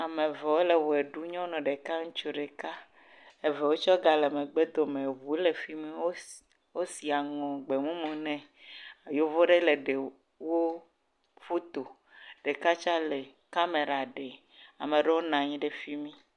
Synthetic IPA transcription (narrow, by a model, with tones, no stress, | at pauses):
a˨mẽ˨vɛ˨wo˦le˨wo˨e˨ɖu˦ɲɔ̃˦nɔ̃˨ɖe˨ka˦ŋũ˦t͡ʃu˦ɖe˨ka˦ | e˨ve˨wo˦t͡ʃɔ˦ɡa˨le˨mẽ˨ɡ͡be˦d̪o˨mẽ˨βu˨˦le˨fi˦mĩ˦wo˦ | wo˦si˨a˨ŋɔ̃˨ɡ͡be˨mũ˦mũ˨nɛ̃˦ | a˨jo˦vo˦ɖe˦le˨ɖe˨ | wo˦ | fo˦t̪o˨ | ɖ̥e˨ka˦t͡ʃa˦le˨ | ka˦me˨ɾa˨ɖe˨ | a̰˨mẽ˨ɖe˦wo˦nã˨ɲĩ˦ɖe˦fi˦mĩ˦